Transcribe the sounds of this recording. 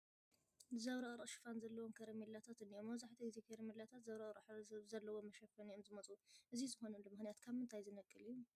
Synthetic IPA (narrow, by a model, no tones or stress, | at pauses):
zɐβɾɐʔʼɾuʃɨ̥fanzɐlːɐwomkʰɐɾɐmilːat̪ʰat̪ɨnːiʔomːɐβzaħt̪ʰiɡziekʰeɾɐmilːat̪ʰat̪zɐβɾɐɾħzɐlːɐwomɐʃɐfɐniomzɨmɐt͡sʼuʔɨzizɨxo̞nɐnlomɨxnijat̪kʰaβmɨnt̪ʰajzɨnɐkʼːɨlɨjːu